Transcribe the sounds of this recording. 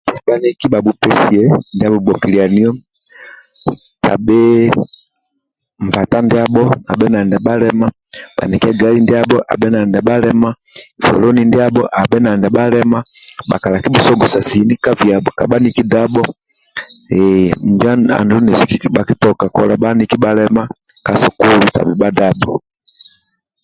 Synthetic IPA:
si˨ba˦ni˦ki˦ba˨bu˨pɛ˦si˨ɛ˦ndi˦a˦bɔ˨bɔ˨ki˨li˨a˨ni˦ɔ˦ | ta̰˨bɛ˦ | m̩˨pa˨ta˦ndɛ˦a˦ɓɔ˦a̰˨bɛ˦na˨ndɛ˨ɓa˦lɛ˦ma˦ | ɓa̰˨ni˨kɛ˦ɡa˦li˦ndɛ˦a˦ɓɔ˦ʔa̰˨bɛ˦na˨ndɛ˨ba˦lɛ˦ma˦˨ | fɔ̰˨lɔ˦ni˨ndi˦a˦bɔ˦ʔa˨bɛ˦na˨ndɛ˨ba˦lɛ˦ma˦ba̰˨ka˨la˨ki˦bu˦sɔ˦ɡɔ˨sa˨sini˦ka˦vja˨bɔ˨ka̰˨ba˦ni˦ki˦da˦bɔ˦ | ɛm̩d͡ʒa˦a̰˨ndu˦nɛ˨si˦kiɓa˨ki˦tɔ˨ka˨kɔ˨la˨ba˦ni˦ki˦ba˦lɛma˦ | ka˨sɔ˨ku˦lu˨ta̰˨bɛ˨ba˦da˦bɔ˨

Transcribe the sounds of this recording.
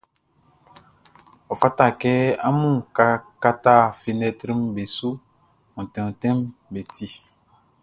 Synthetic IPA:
ɔ˨fa˦ta˦˨kɛ˦a˦mũ˦˨ka˨ka˦ta˦˨fi˨nɛ˨tɾi˦mbe˨su˦ | mũ˨tɛ̃˨ũ˨tɛ̃˦mbe˨tʰi˦

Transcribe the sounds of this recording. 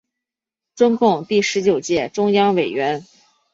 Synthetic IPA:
ʈ͡ʂʊ˥ŋkʊ˥˧ŋt̪i˥˩ʂɻ̩˧˥t͡ɕjo˨˩ʊt͡ɕjɛ˥˩ʈ͡ʂʊ˥ŋjɑ˥ŋwe˨˩ɪɥɛ˧˥n

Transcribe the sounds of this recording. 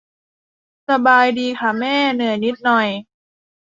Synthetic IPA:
sa˧baː˧jdiː˧kʰa˧˩mɛː˥˩nɯ˨˩˦jni˦˥t̪̚nɔ˨˩j

